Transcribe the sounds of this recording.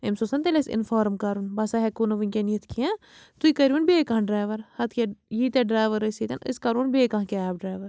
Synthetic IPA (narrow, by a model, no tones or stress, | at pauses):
emsosɐnt̪elʲesḭnfaːɾmkɐɾunbɐsɐɦɛkunɐʋɨnʲkʲenit̪ʰkʰiã | t̪uikɐɾiunbeːkɐ̃ɦɖɾaːjʋɐɾhɐt̪ʰkejit̪eɖɾaːʋɐɾɐsit̪ɐnɨ̰skɐɾuːnbeːkɐ̃ɦkeaːbɖɾaːʋɐɾ